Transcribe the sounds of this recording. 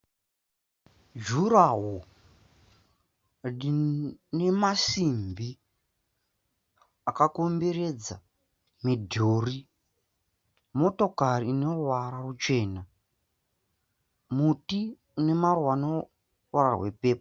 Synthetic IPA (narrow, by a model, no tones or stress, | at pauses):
d͡ʒuɾaɦo | ine̞masimbi | akako̞mbe̞re̞d͡za̰ | midʱoːri | mo̞to̞kariːno̞rwaɾarut͡ʃe̞ːna | muti | une̞marwano | rwara̰we̞pe̞ːpa